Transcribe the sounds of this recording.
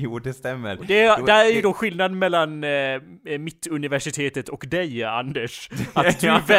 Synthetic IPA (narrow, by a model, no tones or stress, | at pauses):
ud̪ɛst̪ɛmːə̰ɾd̪ɛd̪æɾæɾjəd̪ɔɧɪlnad̪mɛlːan | mɪt̪ːɵnɪvæʂɪt̪ʰeːt̪ət̪ɔkd̪ɛja̰nd̪əʂat̪d̪vɛ